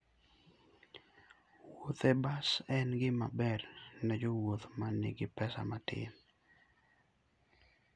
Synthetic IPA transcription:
wot̪ɛbasɛnɡɪmabɛrnɛd͡ʒowot̪manɪ̰ɡɪpɛsa̰matɪ̰n

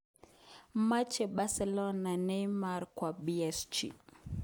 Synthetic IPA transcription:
mat͡ʃɛɓasɛlɔnanɛjmaɾkwabiɛst͡ʃḭ

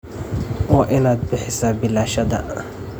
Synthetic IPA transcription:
waʔɪnat̪̚bɪħɪsaːbɪlaʃad̪a̰

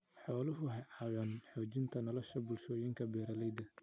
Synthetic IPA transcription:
ħɔːlʊɦʊɦɐʕɑːwɐnħɔːt͡ʃɪnt̪ʰɐnɔlɔʃɐbʊlʃɔːjɪŋkʰɐbɛːɾɐlɛjd̪ɐ

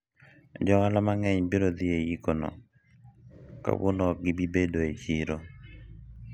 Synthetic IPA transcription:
d͡ʒɔalamaŋɛɲbiɾod̪ɪejikonɔ̰ | ka̰wo̰nɔɡɪbibedoet͡ʃiɾo

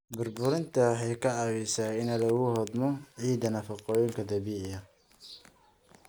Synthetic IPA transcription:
bʊrbʊɾɪnt̪ʰɐħɑjkʰɐʕɑwisaːɪnɐlɐɣuɦɔd̪mɔʕiːd̪ɐnɐfɐqɔjʊŋkʰɐd̪ɐbiːʕjɐ

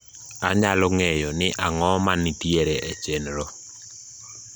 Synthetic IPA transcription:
aɲalɔŋejɔnɪʔaŋɔmanitieɾeʔet͡ʃenɾɔ

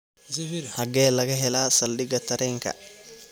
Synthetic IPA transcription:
hɐɡɛːlɐɡɐɦɛlaːsɐlɗɪɡɐt̪ɐɾɛŋkɐ̰

